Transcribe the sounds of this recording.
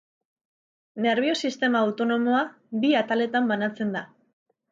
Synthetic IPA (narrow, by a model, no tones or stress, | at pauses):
ne̞ɾβ̞io̞sist̪e̞maːwt̪o̞no̞mo̞a | biat̪ale̞t̪ambanat͡se̞nd̪a